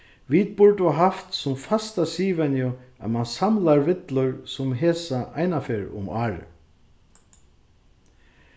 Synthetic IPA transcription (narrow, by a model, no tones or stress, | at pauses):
ʋit̪̚pʊɹt̪ʊɦaft̪sʊmfast̪asiːvɛnjʊa̰ðmansamlaɾvɪt̪lʊɾsʊmɦɛːsaʔajnafeːɾʊ̰maːɾɪ̰